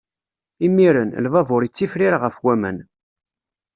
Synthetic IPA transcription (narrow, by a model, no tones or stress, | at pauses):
imːiɾənlvævʊɾjit͡sːifɾiɾʁəfwæmə̰n